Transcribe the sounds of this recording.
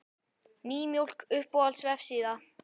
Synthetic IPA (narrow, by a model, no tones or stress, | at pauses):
niːmjuwl̥kʏhpɔalsvɛfsiːða